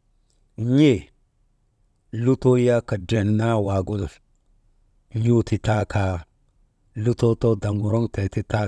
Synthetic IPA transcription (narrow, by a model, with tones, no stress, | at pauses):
ɲe˦˨ | lu˦to˦ja˦ka˨de˨nna˦wa˨ɡu˦l | ɲu˦ti˨ta˦ka˨ | lu˦to˦to˦da˨mɡo˨ɾo˦ŋte˨ti˦ta˦